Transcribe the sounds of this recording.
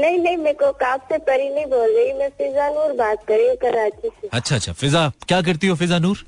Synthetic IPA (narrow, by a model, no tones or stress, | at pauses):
nɐɦĩnɐɦĩmẽːkokaːpsepɐɾinɐɦĩboːlɾɐimɛ̃fɪzanuːɾbaːt̪̚kɐɾũkɐɾaːt͡ʃiseɐtːʃʰaɐtːt͡ʃʃʰa̰fɪzakjaːk̬ɐɾt̪iɦofɪzanuːɾ